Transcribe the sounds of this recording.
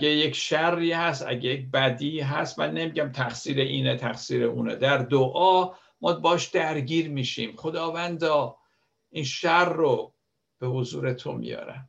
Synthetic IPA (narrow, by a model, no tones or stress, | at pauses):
ɡeje̞cʃærːiːhæst̪æ̰ɟejec̚bæd̪iːɦæst̪mænːe̞miɟæmt̪ʰæxsiːɾeʔiːnet̪ʰæxsiːɾeʔṵːnḛd̪æɾd̪oʔɒː | mɒːbɒːʃd̪̥æɾɟiːɾmiːʃiːmχo̞d̪ɒːvænd̪ɒː | inʃærːo | b̥e̞hozṵːɾe̞t̪ʰo̞̰mḭjɒ̰ːɾæ̰m